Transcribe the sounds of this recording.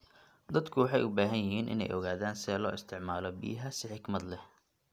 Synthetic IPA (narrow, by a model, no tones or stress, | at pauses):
d̪ɐd̪kʰʊwɑħɑjʊbaːɦɐnjɪɦiːnʔɪ̰nɛ̰jʔɔɣaːðaːnsɛːlɔːɪst̪ʰɪʕmaːlɔbḭjɦɐsɪħɪɡmɐd̪lɛ